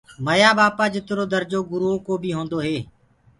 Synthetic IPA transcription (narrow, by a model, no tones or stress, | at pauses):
məjaːbaːpaːd͡ʒɪt̪ɾoːd̪əɾd͡ʒoːɡʊɾuoːkoːbiːɦõːnd̪oːɦeː